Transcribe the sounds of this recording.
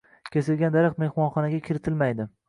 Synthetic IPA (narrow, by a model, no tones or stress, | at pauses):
kʲesɪlɡʲand̪aɾɑqt̪me̞hmɒnχɒnaɡʲakʲʰɪɾɪt̪ʰɪlmajd̪ɪ